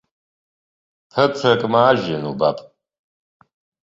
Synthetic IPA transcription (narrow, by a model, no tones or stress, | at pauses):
pʰɐt͡sʰɐkʼmaːʒɐnuba̰pʼ